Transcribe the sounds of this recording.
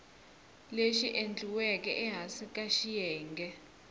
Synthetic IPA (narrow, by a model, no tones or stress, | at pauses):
leʃiʔend͡ɮʱuwɛkʼɛʔɛɦasikʼaʃijɛːŋɡʱɛ